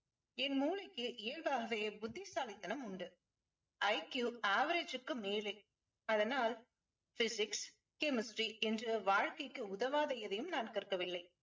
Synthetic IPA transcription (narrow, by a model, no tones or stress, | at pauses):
ɛnmuːlɐkːɯʔɪːɐlbaːɣɐʋeːbʊd̪ːisaːlɪt̪ːɐnɐmʊɳɖɯ | ʔɐɪkjuːaːʋɐɾed͡ʒɯkːɯmeːlɐɪ | ɐðɐnaːl | fɪsɪks | kɛmɪsʈɾiɛndrɯʋaːɻkɐɪkːɯʊðɐʋaːðɐjɐðɐjɯmnaːnkɐɾkːɐʋɪlːɐɪ